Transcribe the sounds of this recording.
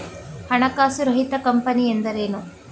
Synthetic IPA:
hɐɳɐkaːsuɾɐɦit̪ɐkɐmpɐniːend̪ɐɾeːnu

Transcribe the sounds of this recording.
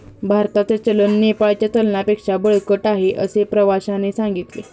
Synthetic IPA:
bʱaɾt̪at͡sat͡ɕələnːepaɭt͡ɕjat̪əlnapekʂabəɭkəʈaɦeʔəsepɾəʋaɕanesãŋɡit̪le

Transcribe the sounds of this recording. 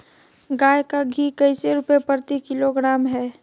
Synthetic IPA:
ɡaːjkaɡʱikɐɪseɾʊpepəɾt̪ikɪloɡɾaːmɦɛː

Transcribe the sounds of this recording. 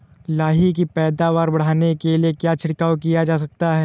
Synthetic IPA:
laːɦik̬ipɛːd̪aːʋaːɾbɐɽ̤aːnekeliekjaːt͡ʃʰɪɽkaːwkijad͡ʒaːs̬ɐk̚t̪aɦɛː

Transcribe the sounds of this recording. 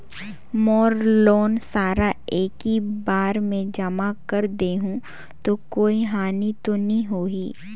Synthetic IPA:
mɔːɾloːnsaːɾaeːkibaːɾmẽd͡ʒɐmakəɾd̪eːɦũ | t̪okoːiɦaːnit̪onɐĩɦoːiː

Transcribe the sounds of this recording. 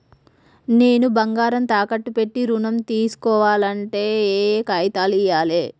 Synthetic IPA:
ne̞ːnubɐŋɡaːɾɐnt̪aːkɐʈːupe̞ʈːiɾunɐmt̪iːsu̥kɔːʋaːlɐɳʈe̞ːeːkaːjt̪aːlijaːleː

